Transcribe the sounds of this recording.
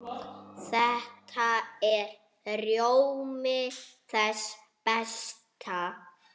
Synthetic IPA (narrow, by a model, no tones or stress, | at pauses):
θɛht̪ʰaɛɾ | rjowmɪθɛs | pɛst̪ʰa